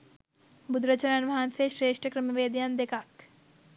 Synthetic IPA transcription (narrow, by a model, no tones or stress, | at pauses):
bud̪ɾət͡ʃɐɾanʋɐanseʃɾeːʂʈʰəkɾəmiʋeːd̪jand̪ekak